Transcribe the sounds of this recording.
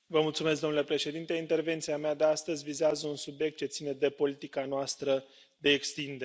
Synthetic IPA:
vəmult̪sumesɡ̪̚o̞mnulepɾe̞ʃe̞d̪int̪e̞int̪e̞rve̞nt̪siamead̪east̪əzʲvizeazəunsubje̞k̚t̪̚t͡ʃe̞t̪sine̞d̪e̞po̞lit̪ikanoast̪ɾə | d̪e̞ːkst̪ind̪e

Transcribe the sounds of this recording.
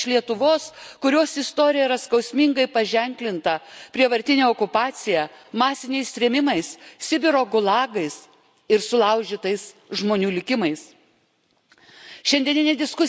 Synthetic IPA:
ʃlʲiɛt̪ʊʋoːskʊɾʲoːsɪst̪oːɾʲɪjɛiɾɐskɒʊsʲmʲɪŋɡɐɪpɐʒʲɛŋʲklʲɪnt̪ɐpʲɾʲiɛʋɐɾʲt̪ʲɪnʲeːɔːkʊpɑːt̪sʲɪjɛmɑːsʲɪnʲɛɪsɾʲɛmʲɪmɐɪssʲɪbʲɪɾoːɡʊlˠɑːɡɐɪs | ɪɾsʊlˠɐʊʒʲɪt̪ɐɪsʒmoːnʲuːlʲɪkʲɪmɐɪs | ʃʲɛnʲd̪ʲiɛnʲɪnʲɛd̪ʲɪskʊ

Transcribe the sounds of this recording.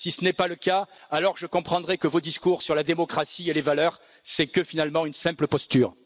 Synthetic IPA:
sisənɛpaləkaalɔʁʒəkɔ̃pχɑ̃d̪ʁɛkəvod̪iskuʁsyʁlad̪emɔkχasielevalœʁ | sɛkəfinalmɑ̃ynsɛ̃pləpɔst̪yːʁ

